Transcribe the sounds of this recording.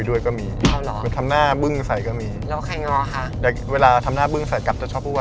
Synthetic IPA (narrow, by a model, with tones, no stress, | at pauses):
du˥˩əjkɔː˥˩miː˧a˦˧˩wlɔː˩˦˨nt̪ʰmnaː˥˩bɯ˥˩ŋsa˨˩jkɔː˥˩miː˧lɛ˦˥kʰa˧˩jŋɔː˧kʰa˧˩jaː˨˩k̚weː˧laː˧t̪ʰa˧mnaː˥˩bɯ˥˩ŋsa˨˩˦jka˨˩p̚t͡ɕa˧˩t͡ɕʰɔː˦˥˩p̚ʰuː˥˩a˧